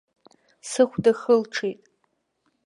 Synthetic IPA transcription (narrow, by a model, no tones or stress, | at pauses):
sɨχʷdaχəlʈ͡ʂʰejtʼ